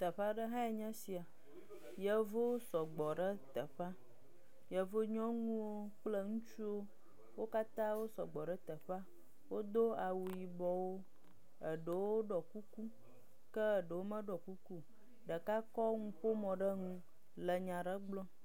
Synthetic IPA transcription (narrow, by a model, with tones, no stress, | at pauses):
t̪ə˨ɸa˦ɖə˦ɦã˦e˨ɲã˦si˨a˨ | jə˨vo˦sɔ˨ɡ͡bɔ˨ɖə˦t̪ə˨ɸa˦ | jə˨vo˦ɲɔ̃˦ŋũ˦wo˦k͡plə˦ŋũ˦t͡ʃu˦wo˦ | wo˦ka˦t̪ã˦wo˦sɔ̰˨ɡ͡bɔ˨ɖə˦t̪ə˨ɸa˦ | wo˦d̪o˦a˨wu˨ji˨bɔ˨wo˦ | ə˨ɖə˨wo˦ɖɔ˨ku˦ku˦ | kə˦˨ɖə˨wo˦mə̃˦ɖɔ˨ku˦ku˦ | ɖə˨ka˦kɔ˦ŋũ˦ɸo˦mɔ̃˨ɖə˦ŋũ˦ | lə˨ɲã˨ɖə˦ɡ͡blɔ̃˦